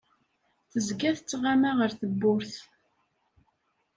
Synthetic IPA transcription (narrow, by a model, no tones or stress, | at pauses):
θəzɡæθt͡sːʁamaʁəɾθəbːʊɾθ